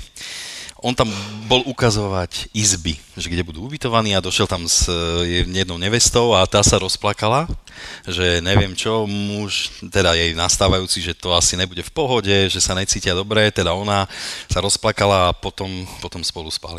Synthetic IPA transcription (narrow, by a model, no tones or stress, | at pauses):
ʔɔnt̪ambɔlukazɔʋacizbiʒɛɡɟɛbud̪uːubit̪ɔʋaniːad̪ɔʃɪɛlt̪amz | jɛd̪nɔʊɲɛʋɛst̪ɔʊat̪aːsaɾɔsplakalaʒɛɲɛʋɪɛmt͡ʃɔmuʃt̪ɛd̪ajɛjnast̪aːʋajuːt͡siʒɛt̪ɔasiɲɛbuɟɛfpɔɦɔɟɛʒɛsaɲɛt͡siːcɪad̪ɔbɾɛt̪ɛd̪aɔnasaɾɔsplakalaːpɔt̪ɔmpɔt̪ɔmspɔluspa̰li